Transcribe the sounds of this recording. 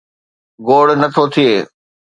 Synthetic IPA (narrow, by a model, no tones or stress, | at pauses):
ɡoːɽnɐt̪ʰot̪ʰieː